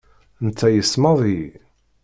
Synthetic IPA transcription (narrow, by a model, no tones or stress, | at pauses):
nt͡s̪ːæjəsmɑðˤi